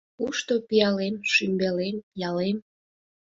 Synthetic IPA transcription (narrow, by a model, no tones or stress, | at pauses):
uʃt̪opijɑlemʃymbelemjɑlem